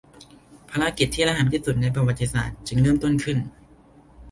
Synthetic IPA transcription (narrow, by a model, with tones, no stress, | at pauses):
pʰaː˧ɾa˧˥ki˨˩t̪ʰːiː˥˩la˧ɦa˩˦nt̪ʰiː˥˩su˨˩t̪̚na˧jp̬ɾa˧wa˨˩t̪ʰːi˧sa̰ː˨˩t̪̚t͡ɕɯ˧ŋɾɤː˥˩˨mt̪o˥˩nkʰɯ˥˩n